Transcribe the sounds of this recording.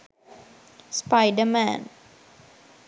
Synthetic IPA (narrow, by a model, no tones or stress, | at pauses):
spaɪdəmæ̰̃n